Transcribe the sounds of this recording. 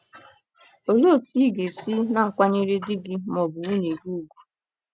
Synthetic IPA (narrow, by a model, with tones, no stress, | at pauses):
o˨lo˦˨ti˦ɡe˨si˦na˦˨kʷa˦ɲe˦ɾe˦dɪ˦ɡɪ˦mɔ˨bʊ˨u˦ne˨ɡu˦ɡu˨